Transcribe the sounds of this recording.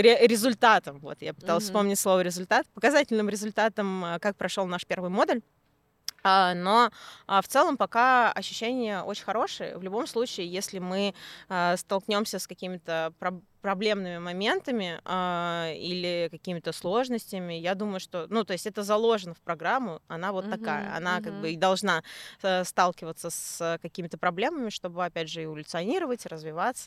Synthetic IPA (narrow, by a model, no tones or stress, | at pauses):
ɾʲɪɾʲɪzʊlʲt̪at̪əmvo̞̰t̪japɨt̪alˠəsʲfspo̞mnʲɪtʲslˠo̞vəɾʲɪzʊlʲt̪at̪pəkɐzatʲɪlʲnɨmɾʲɪzʊlʲt̪at̪əmkak̚pɾɐʂolˠnaʂpʲe̞rvɨjmo̞d̪əlʲ | əno̞əft̪sɛlˠəmpɐkaɐɕːʉ̥ɕːænʲɪjəʔot͡ɕɪ̥nʲxɐɾo̞ʂɨjə̰vlʲʊbo̞mslˠut͡ɕɪːjesʲlʲɪmɨəst̪ɐlˠknʲo̞msʲəskɐkʲimʲɪt̪əpɾɐpɾɐblʲe̞mnɨmʲɪmɐmʲe̞nt̪əmʲɪailʲɪkɐkʲimʲɪt̪əslˠo̞ʐnəsʲtʲɪmʲɪjad̪uməjʊʂt̪o̞nut̪o̞ɪsʲtʲɛt̪əzɐlˠo̞ʐɨnəfpɾɐɡɾamːʊɐn̪avo̞t̪ːɐkajə̰ɐ̰nakaɡ̚bɨid̪ɐlˠʐnaəst̪alˠkʲɪvət̪səsəkɐkʲimʲɪt̪əpɾɐblʲe̞məmʲɪʂt̪o̞bɨɐpʲædʲʐɨɪvəlʲʊt̪sɨɐnʲiɾəvətʲrəzvʲɪvat̪sə